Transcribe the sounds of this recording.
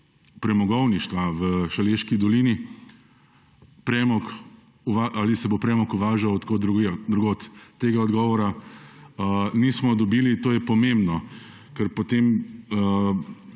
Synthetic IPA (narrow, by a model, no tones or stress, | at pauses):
pɾɛmɔɡɔwniʃt̪ʋaʋəʃaleːʃkid̪ɔliːni | pɾɛmɔk | uʋaʔalisɛbopɾɛmɔkuʋaːʒawt̪kod̪ɾuɡd̪ɾuɡoːt̪ːeːɡaɔd̪ɡɔːʋɔɾa | nismɔd̪ɔbiːlit̪oːjɛpɔmẽmbnɔ | kəɾpot̪emə